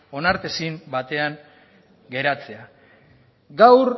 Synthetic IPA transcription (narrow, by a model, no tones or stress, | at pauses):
o̞naɾt̪esimbat̪e̞aŋ | ɡe̞ɾat͡se̞a | ɡawɾ